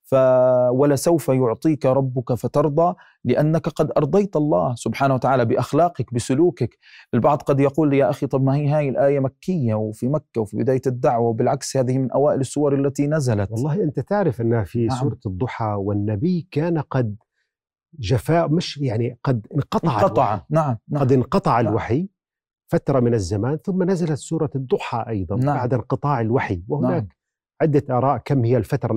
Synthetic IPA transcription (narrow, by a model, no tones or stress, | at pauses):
fawalasawfajʊʕt̪ˤiːkaɾˤɑbːʊkafat̪ɑɾˤd̪ˤɑː | lɪʔanːakqɑd̪ʔɑɾˤd̪ˤɑjt̪ʔɑlˤːɑ̰ːhsʊbħaːnawat̪aʕaːlabɪʔaxlaːqɑkbɪsʊluːkak | ʔɪlbɑʕd̪ˤqɑd̪jɑquːlːjaʔaxit̪ˤɑbmahiːɦaːjɪlʔaːjamakːɪjːawfimakːawfibɪd̪aːjaɪd̪ːaʕwawbɪlʕakshaːðɪhmɪnʔawaːʔɪlɪsːʊwːɑɾˤalːat̪inazalatwɑlˤːɑːhʔɪnt̪at̪ɪʕɾɪfʔɪnːfissuːɾˤɑd̪ˤːʊħɑwɪnːabɪjːkaːnqɑd̪ | ʒafaːʔmɪʃjaʕniqɑd̪ɪnqɑt̪ˤɑʕat̪ˤʕnaʕmaɑd̪ɪnqɑt̪ˤɑʕalwaħi | fat̪ɾˤɑmɪnazːamaːnθʊmːanazalat̪suːɾˤɑd̪ˤːʊħɑʔɑjðˤɑnbaʕd̪ɪnqɨt̪ˤɑːʕɪlwaħiwɪhʊnaːk | ʕɪd̪ːaʔɑːɾˤɑːʔkamːhɪjːalfat̪ɾˤɑ